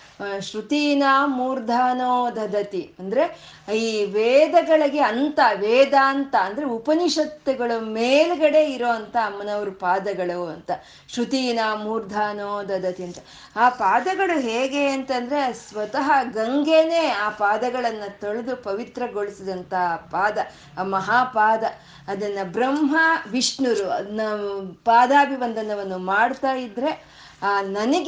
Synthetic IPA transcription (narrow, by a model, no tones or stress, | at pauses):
ʃɾut̪iːnaːmuːɾd̪ʱaːnoːd̪ʱɐd̪ʱɐt̪iɐnd̪ɐɾe̞ | iːʋeːd̪ɐɡɐɭɐɡe̞ɐnt̪ɐʋeːd̪aːnt̪ɐːnd̪ɐɾeupɐniʂɐt̪ːɐɡɐɭumeːluɡɐɽe̞ːiɾoːɐnt̪ɐːmːɐnɐʋɐɾupaːd̪ɐɡɐɭuɐ̰nt̪ɐ | ʃɾut̪iːnaːmuːɾd̪ʱaːnoːd̪ɐd̪ɐt̪iɐnt̪ɐ̥ | aːpaːd̪ɐɡɐɭuɦeːɡe̞ɐnt̪ɐnd̪ɐɾesʋɐt̪ɐɦɐɡɐŋɡeːne̞ːaːpaːd̪ɐɡɐɭɐnːɐt̪oɭd̪upɐʋit̪ɾɐɡoɭisid̪ɐnt̪ɐɦɐpaːd̪ɐ | mɐɦaːpaːd̪ɐː | d̪ɐnːɐbɾɐmɦɐʋiʂnuɾuɐ̰nːɐpaːd̪aːbʱiʋɐnd̪ʱɐnɐʋɐnːumaːɽt̪aːjid̪ɾe̞ | aːnɐnɐɡ